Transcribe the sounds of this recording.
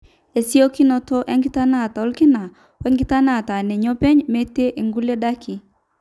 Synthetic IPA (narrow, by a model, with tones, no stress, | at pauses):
e˨si˦o˦kɪ˦nɔ˨tɔ˦ʔɛ˦ŋɡɪ˦ta˦na˦˨ta˨ɔ˦lkɪ˦na˨ | wɛ˦ŋɡɪ˦ta˦na˦˨ta˨nɛ˨ɲɔ˦pɛ˦ɲme˦te˦ʔe˨ŋɡu˦le˦da˦ki˨